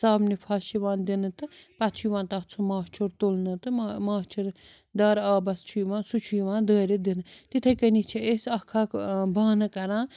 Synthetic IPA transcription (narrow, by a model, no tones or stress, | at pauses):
saːbnipʰaːʃiʋãːnd̪inɨt̪ɨpɐt͡ʃʰujʋãːnt̪ɐt͡sʰumaːt͡ʃʰuɾt̪olnɨt̪ɨmmaːt͡ʃʰuɾ | d̪ɐːɾaːbɐst͡ʃʰujʋãːnsut͡ʃʰujʋãːd̪əːɾed̪inɨt̪it̪ʰɐkənit͡ʃʰiesɐkʰːaːkbaːnɨkɐɾãː